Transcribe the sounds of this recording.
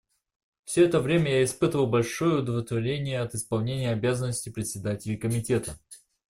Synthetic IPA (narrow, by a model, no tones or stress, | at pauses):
fsʲoɛt̪əvɾʲemʲəjaɪspɨt̪əvəlˠbɐlʲʂojəʊd̪əvlʲɪt̪vɐɾʲenʲɪjəɐt̪ɨspɐlˠnʲenʲɪjəɐbʲazənːəsʲtʲɪpɾʲɪt̪sʲɪd̪atʲɪlʲɪkəmʲɪtʲe̞t̪ə